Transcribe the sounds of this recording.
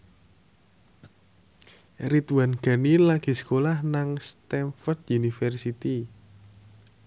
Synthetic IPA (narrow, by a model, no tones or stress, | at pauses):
ɾit̪wanɡ̥a̤nilaɡ̥i̤sə̥kolahnaŋst̪ɛnfɔrd̪junifɛrsit̪i